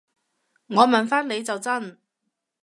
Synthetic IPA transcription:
ŋɔː˨˧mɐ˨nfaː˥nle˨˧jt͡sɐ˨wt͡sɐ˥n

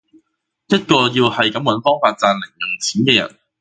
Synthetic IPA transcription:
jɐ˥t̚kɔː˧jiː˧whɐ˨jkɐ˨˥mwɐ˨˥nfɔː˥ŋfaː˧t̚t͡saː˧nlɪ˨˩ŋjʊ˨˩ŋt͡sʰiː˨˥nkɛː˧jɐ̰˨˩n

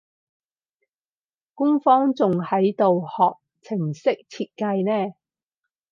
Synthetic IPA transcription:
kʊ˥ŋfɔː˥ŋt͡sʊ˨ŋhɐ˨˥jt̪o˨whɔː˨k̚t͡sʰɪ˨˩ŋsɪ˥k̚t͡sʰiː˧t̚kɐ˧jnɛː˥

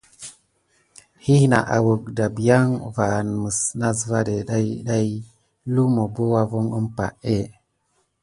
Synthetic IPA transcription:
hi˦hna˨ʔa̰˨wu˨k̚da˨bi˨ja˦ŋva˨n˨mə˨sna˦zva˦de˨ɗa˦jɗa˦j | lu˦mo˨bə˦wa˦vu˦ŋə˦mpa̰˨ʔe˦˨

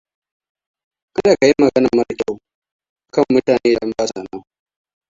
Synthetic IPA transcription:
ʔa˦daː˨ka˨ji˦mːɐ˨ɡɐ˦nɐ˨mɐ˦ɾtʼa˦ | ʔkɐ˦˨mːʊ˦taː˨neː˦dɐ˦mbaː˦sa˨nɐ˦ŋ

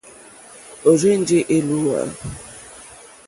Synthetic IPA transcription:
o˨ze˦n̩˦d͡ʒɪ˦ʔe˦lu˦a̰˨

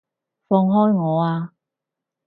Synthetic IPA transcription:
fɔː˧ŋɦɔː˥jŋɔː˨˧aː˧

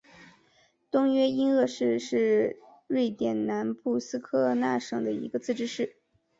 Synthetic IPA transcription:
t̪ʊ˥ŋɥɛ˥i˥nɤ˥˧ʂɻ̩˥˧ʂɻ̩˥˧ | ɻe˥˩ɪt̪jɛ˨˩nna˧˥npu˥˩sɹ̩˥kʰɤ˥˧na˥˩ʂɤ˨˩ŋd̪ə˩ḭ˧˥ɡə˧t͡sɹ̩˥˩ʈ͡ʂɻ̩˥ʂɻ̩˥˩

